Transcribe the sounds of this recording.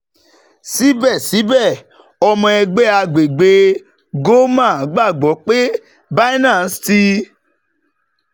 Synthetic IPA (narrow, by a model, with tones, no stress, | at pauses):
si˦bɛ˦˨si˨˦bɛ˦˨ | ɔ˧mɔ̃˧ɛ˧ɡ͡bɛ˦a˧ɡ͡be˨ɡ͡be˧ | ɡo˦mã˦˨˦ɡ͡ba˦˨ɡ͡bɔ˨˦k͡pe˦ | ba˦nã˦˨˦sti˧